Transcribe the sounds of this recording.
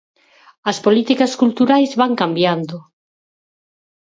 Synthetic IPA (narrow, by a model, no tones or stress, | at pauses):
ɐspolit̪ikɐskult̪uɾajzβaŋkambjand̪ʊ